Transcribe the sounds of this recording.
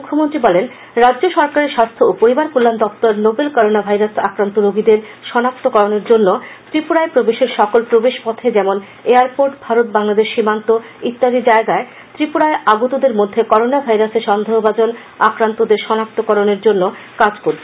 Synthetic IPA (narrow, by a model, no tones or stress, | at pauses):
ukʰːomont̪ɾibɔlen | ɾadːd͡ʑoʃɔɾkaɾeɾʃast̪ʰoopoɾibaɾkulːand̪ɔft̪oɾnobelkɔɾonabʱajɾasakɾant̪oɾoɡʱid̪eɾ | ʃɔnak̚t̪okɔɾoneɾd͡ʑonːot̪ɾipuɽaepɾobeʃeɾʃɔkolpɾobeʃpɔt̪ʰed͡ʑɛmon | eaɾpoɾʈbʱaɾot̪̚baŋlad̪eʃːimant̪o | it̪ːaɾid͡ʑaeɡae | t̪ɾipuɽaeʔaɡut̪od̪eɾmod̪ʱːekɔɾonabʱajɾaseɾʃɔnd̪ʱeɦobad͡ʑon | akɾant̪od̪eɾʃɔnak̚t̪okɔɾoneɾd͡ʑonːo | kad͡ʑkoɾt̪ʰ